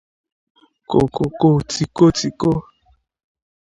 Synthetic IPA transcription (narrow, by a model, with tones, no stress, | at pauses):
ko̰˨ko˨ko˦˨ti˨ko˦ti˨ko˦